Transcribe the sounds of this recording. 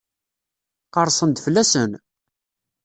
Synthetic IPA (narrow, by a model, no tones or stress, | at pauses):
qɑɾˤsˤənd̪flːæsən